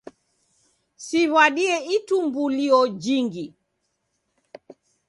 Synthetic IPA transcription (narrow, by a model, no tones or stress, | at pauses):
siβwaɗiɛitumbuliɔd͡ʒiŋɡi